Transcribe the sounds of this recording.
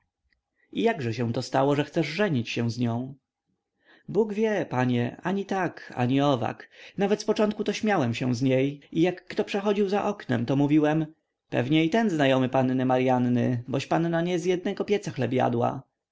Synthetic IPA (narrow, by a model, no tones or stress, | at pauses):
ijaɡʐɛɕɛ̃w̃t̪ɔst̪awɔʐɛxt̪sɛʐʐɛɲit͡ɕɕɛ̃w̃zɲɔ̃w̃ | buɡvʲjɛpaɲɛaɲit̪aka̰ɲiɔva̰knavɛt̪spɔt͡ʂɔnt̪̚kut̪ɔɕmʲjawɛmɕɛw̃zɲejʔijakːt̪ɔpʂɛxɔd͡ʑiwzaʔɔknɛ̰mt̪ɔmuvʲiwɛm | pɛ̰vɲɛit̪ɛnznajɔmɘpanːɘmaɾjanːɘ̰bɔɕpanːaɲɛzjɛd̪̚nɛɡɔpʲjɛt̪saxlɛbja̰d̪wa̰